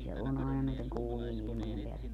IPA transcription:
se on ɑˑenɑ næiteŋ kuːmien ilĭmojem peælːek

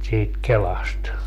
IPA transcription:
siːt kelɑst

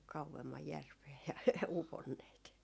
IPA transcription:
kɑuemːɑj jærʋeː jɑ uponːeːt

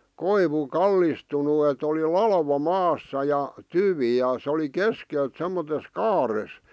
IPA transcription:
koiʋu kɑlːistunu et oli lɑlʋɑ mɑːsːɑ jɑ tyʋiˑ jɑ se oli keskelt semːotes kɑːres

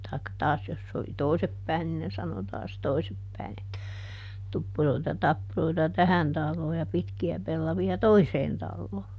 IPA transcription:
tɑikːɑ tɑːs jos se oli toi̯sep pæin nin ne sɑno tɑːs toisep pæi̯n etːæ tupːuroitɑ tɑpːuroitɑ tæhæn tɑlːoː jɑ pitkiæ pelːɑʋiɑ toiseːn tɑlːoː

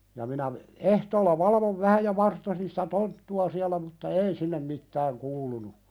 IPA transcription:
jɑ minæ ehtoːlːɑ ʋɑlɑʋoʋ ʋæhæ jɑ ʋɑrtːosin sitæ tontːuɑ siælæ mutːɑ ei sinːem mitːæːŋ kuːlunu

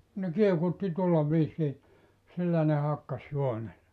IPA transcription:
ne kiekutːi tuolːɑ ʋiːsiː silːæ ne hɑkːɑs juone

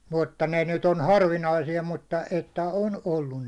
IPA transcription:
mutːɑ ne nyt on hɑrʋinɑisijɑ mutːɑ etːæ on olːun

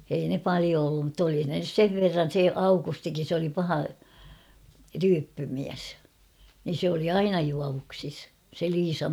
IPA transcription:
ei ne pɑlio olːum mutː oli ne nys seʋ ʋerːɑn̞ se ɑukustikin̞ se oli pɑhɑ ryːpːymiæs nin̞ sĕ oli ɑinɑ juɑʋuksis se liːsɑm

